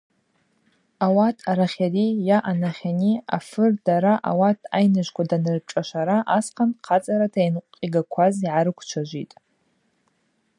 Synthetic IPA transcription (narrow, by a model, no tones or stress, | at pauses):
awatʰaɾaχʲarijaʔanaχʲaniafɨrdaɾaʔa̰watʰajnɨʒʷkʷadanɨrʈ͡ʂʼaʃʷaɾaʔasqʰanqʰat͡sʼaɾatʰajnqʷʼqʼiɡakʷʰaziʕaɾɨkʷʰt͡ʃʷʰaʒʷḭtʼ